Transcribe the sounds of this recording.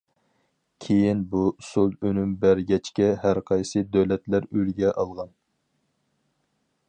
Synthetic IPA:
kʲʰejinbusulˠønymbæɾɡʲɛt͡ʃkʲɛɦæɾqʰɑjsɨd̪øwlɛt̪læɾølɡʲɛʔɑlˠʁɑn

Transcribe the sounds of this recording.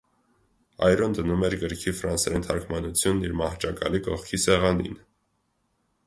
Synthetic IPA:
ɑ̰jɾɔnd̪ənumɛɾɡəɾkʰifɾɑnsɾɛnt̪ʰɑɾkʰmɑnut͡sʰjunːiɾmɑht͡ʃɑkɑlikɔχkʰisɛʁɑnḭn

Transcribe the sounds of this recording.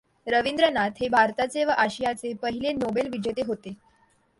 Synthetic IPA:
ɾəʋind̪ɾənat̪ɦebʱaɾt̪at͡seʋəʔaɕijat͡sepəɦilenobelʋid͡ʑet̪eɦot̪e

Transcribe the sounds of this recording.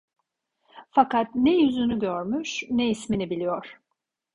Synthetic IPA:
fakat̪̚nɛjyzynyɟøɾmyʃnɛisminibilʲijoɾ̥

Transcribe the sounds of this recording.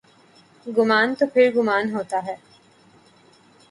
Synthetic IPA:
ɡumaːnt̪opiɾɡumaːnɦoːt̪aːɦɛː

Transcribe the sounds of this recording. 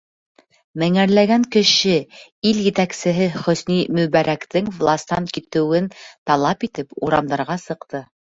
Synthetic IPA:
mɘ̆ŋæɾlæɡæŋkɘ̆ʃɘiljɘ̆t̪æksɘ̆ɦɘχɵ̆snimɵ̆βæɾʔækt̪ɘŋvlˠɑst̪ɑnkit̪ɘ̆wɘnt̪ɑlˠɑpit̪ɘpuɾɑmd̪ɑɾʁɑsɤ̆qt̪ɤ

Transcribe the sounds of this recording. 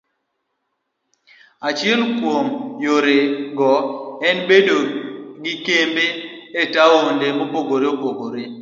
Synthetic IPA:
at͡ʃjelkwomjoɾeɡɔɛnbedoɡɪkembeetaondemopoɡoɾeopoɡoɾe

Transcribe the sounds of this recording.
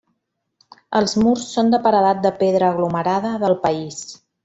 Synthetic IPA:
əlˠzmursːond̪əpəɾəðat̪̚d̪əpeðɾəːɣluməɾaðəðəlˠpəis

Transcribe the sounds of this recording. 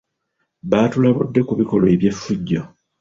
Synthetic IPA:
βaːtulaβudːe̞kuβiko̞loeβje̞fːuɟːa

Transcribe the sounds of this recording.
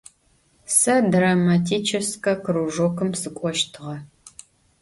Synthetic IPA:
sɐdramatʰiːt͡ʃʰɪskʰʼɐkɨɾuʒokɨmsɨkʷʼɔʃtʰɨʁɐ

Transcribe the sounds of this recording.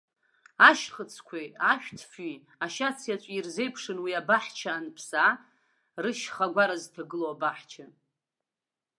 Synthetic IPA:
aʃχət͡sʰkʷʰeaʃᶣtʰfi | aʃat͡sʰjat͡ʃʷʼirze̞jpʰʂɨnwiabaħt͡ʃʰaːnpʰsa | rɨʃχaɡʷaɾaztʰaɡɨloabaħt͡ʃʰa

